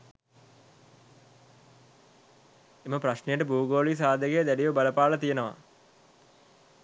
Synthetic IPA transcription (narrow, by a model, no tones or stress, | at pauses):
eməpraʃnejəʈəbuːɡoːlis̬aːd̪əɡejd̪æɖiʋəbaləpaːlət̪ijenəʋa̰